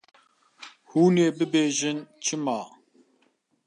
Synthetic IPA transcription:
huːneːbɨbeːʒɪnt͡ʃʰɨmaː

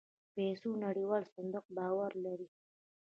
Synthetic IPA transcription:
pesunaɽiwɑːlsɪnd̪ʊq̚bɑːwaɾlaɾi

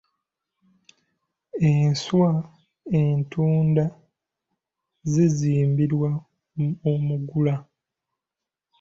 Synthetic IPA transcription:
enswa | entuːnda | zeziːmbiɾwa | omuɡula

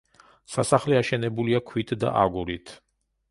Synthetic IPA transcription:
sasaχlɛaʃɛnɛbuliakʰwit̪ʰd̪a̰ʔaɡuɾit̪ʰ

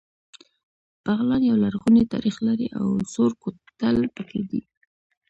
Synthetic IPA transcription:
b̥aɣlɑnjawlaɾɣunet̪ɑ̰ɾixlaɾiʔa̰wsoɾkot̪alpəkʰed̪ḭ

